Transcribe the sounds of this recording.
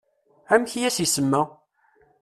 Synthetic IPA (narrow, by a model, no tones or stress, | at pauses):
æmçjæsisəmːə